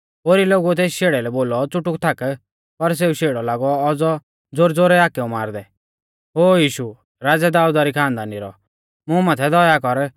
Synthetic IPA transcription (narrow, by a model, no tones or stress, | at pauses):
oːɾiloːɡut̪eːsʃeːɽɛlɛboːlɔt͡sʊʈʊkt̪ʰak | pɐɾs̬eːuʃeːɽɔlaːɡɔɔd͡zɔ | d͡zoːɾd͡zoːɾɛaːkɛũmaːɾd̪ɛ | ɦoːjiːʃu | ɾaːd͡zad̪aːud̪aɾikʰãːnd̪anɪɾɔ̰ | mʊ̃maːt̪ʰɛd̪ɔjakɔɾ